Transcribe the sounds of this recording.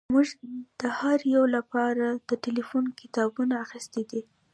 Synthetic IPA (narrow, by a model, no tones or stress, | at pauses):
muʒd̪̥əhaɾjawlapɑɾad̪̥əʈelifunkɪt̪ɑbunaːxist̪ed̪i